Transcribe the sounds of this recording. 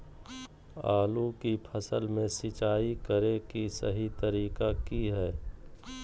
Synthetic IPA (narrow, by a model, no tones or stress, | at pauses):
aːlukipʰəsəlmẽsɪt͡ʃaːikəɾẽkisɐ̰ɦit̪əɾiːkakiɦɛː